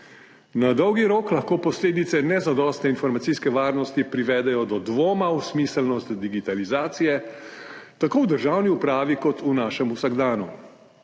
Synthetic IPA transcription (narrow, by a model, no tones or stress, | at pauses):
nad̪ɔwɡiɾoːklaxkoːpɔsleːd̪it̪sɛnɛzad̪ɔːst̪nɛinfɔɾmat̪siskɛʋaːɾnɔst̪ipɾiʋɛd̪ɛjɔd̪ɔd̪ʋoːmausmiːsəlnɔst̪d̪iɡit̪alizaːt̪sijɛ | t̪akoːwd̪əɾʒaːwniupɾaːʋikɔt̪ʰunaːʃɛmusaɡd̪aːnu